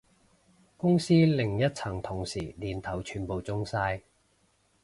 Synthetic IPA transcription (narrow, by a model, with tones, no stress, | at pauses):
kʊ˥ŋsiː˥lɪ˨ŋjɐ˥t̚t͡sʰɐ˨˩ŋt̪ʰʊ˨˩ŋsiː˨˩liː˨˩nt̪ʰɐ˨˩wt͡ʃʰyː˨npo˨wt͡sʊ˥ŋsaː˧j